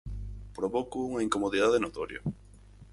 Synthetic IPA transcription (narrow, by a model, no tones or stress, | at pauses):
pɾoβokuuŋɐiŋkomoðiðaðenot̪oɾjo̰